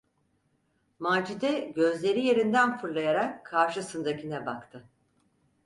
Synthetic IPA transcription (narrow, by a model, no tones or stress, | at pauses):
maːd͡ʒid̪ɛɟø̞zlʲe̞ɾije̞ɾind̪ænfɯɾlˠajaɾakʰːaɾʃɯsɯnd̪acinɛbakt̪ʰɯ